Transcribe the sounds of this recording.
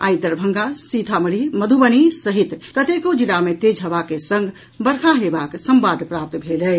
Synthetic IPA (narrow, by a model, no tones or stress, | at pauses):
a̰jd̪əɾbʱəŋɡasit̪ʰaməɽiməd̪ʱubənisəɦit̪kət̪ekod͡ʒilamet̪ed͡ʒʱɦəbakesəŋɡʱ | bəɾkʰaɦebaksəmbad̪ʱpɾap̚t̪bʱelɛ